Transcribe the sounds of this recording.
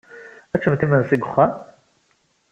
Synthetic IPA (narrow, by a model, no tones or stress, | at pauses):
æt͡sːəmt̪imənsiɡʊχːæ